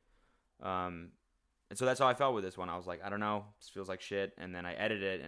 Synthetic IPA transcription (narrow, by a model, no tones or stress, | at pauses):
ʔʌ̃m | ɨ̃nsoʊðætshaʊaɪfɛl̚ˠwəðɪswʌ̃ñaɪwʌzlaɪkaɪɾõʊ̃nːoʊsfilˠzlaɪkʃɪt̚ɨ̰̃nðɨ̃ñaɪʔɛɾɨɾɪtɨ̰̃